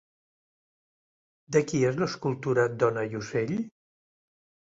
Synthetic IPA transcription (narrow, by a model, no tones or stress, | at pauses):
d̪əkiezləskulˠt̪uɾəd̪ɔnəʎuseʎ